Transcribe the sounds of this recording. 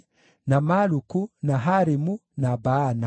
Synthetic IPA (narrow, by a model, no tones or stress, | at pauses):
namalukunaɦaɾimunabana